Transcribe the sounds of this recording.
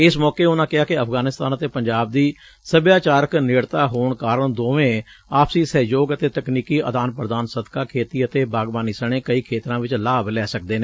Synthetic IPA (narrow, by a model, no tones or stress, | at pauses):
ɪsmɔːkeːʊnãːkɪaːkɪəpʰɡaːnɪst̪aːnət̪eːpəɲd͡ʒaːb̚d̪iː | səbjaːt͡ʃaːɾəknɪɽt̪aːɦoːɳkaːɾəɳd̪oːʋẽː | aːpʰsiːsɛːd͡ʒoːɡət̪eːt̪əkniːkiːʔəd̪aːnpɾəd̪aːnsəd̪kaːkʰeːt̪iːət̪eːbaːɡbaːniːsəɳ̃ẽːkəiːkʰeːt̪ɾãːʋɪt͡ʃlaːblɛːsək̚d̪eːneː